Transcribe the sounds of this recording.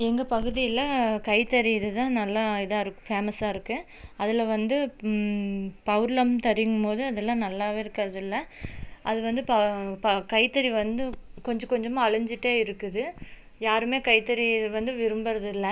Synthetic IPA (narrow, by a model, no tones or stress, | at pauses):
ɛŋɡɐpɐɣɯðɪjɪlɐkɐɪt̪ːɐɾiɪðɯt̪ãːnɐlːaːɪðãːɪɾɯkːɯ̥̃feːmɐsaːɪɾɯkːɯ | ɐðɪlɐʋɐnd̪ɯ | pɐʋɯɾlɐmt̪ɐɾɪjŋɡɐmpoːðɯɐðɛlːãːnɐlːaːʋeːɪɾɯkːɐɾɐðɪlːɐʔɐðɯʋɐnd̪ɯpɐpɐkɐɪt̪ːɐɾiʋɐnd̪ɯkɔɲd͡ʒɐkɔɲd͡ʒɐmãːɐɭɐɲd͡ʒɪʈːeːɪɾɯkːɐðɯ | jaːɾɯmeːkɐɪt̪ːɐɾiðʋɐnd̪ɯʋɪɾɯmbɐɾɐðɪlːɐ